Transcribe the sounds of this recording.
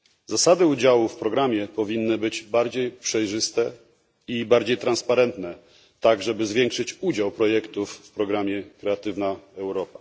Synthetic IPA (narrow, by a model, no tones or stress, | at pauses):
zasad̪ɘud͡ʑawufpɾɔɡɾamʲjɛpɔvʲinːɘbɘd͡ʑbaɾd͡ʑejpʂɛjʐɘst̪ɛ | ibaɾd͡ʑejt̪ɾanspaɾɛnt̪nɛ | t̪aɡʐɛbɘzvʲjɛŋkʂɘt͡ɕud͡ʑawpɾɔjɛkt̪ufpɾɔɡɾamʲjɛkɾɛat̪ɘvnaɛwɾɔpa